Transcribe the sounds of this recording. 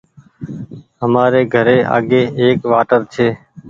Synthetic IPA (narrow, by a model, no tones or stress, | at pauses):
ɦəmaːɾeːɡʱəɾeːʔa̰ːɡeːeːkʋaːʈəɾt͡ʃʰeː